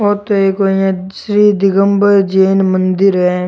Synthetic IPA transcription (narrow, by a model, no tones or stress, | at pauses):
ɔːt̪oeːkɐjãsɾiːd̪ɪɡəmbəɾd͡ʒeːnmənd̪ɪɾɦɛ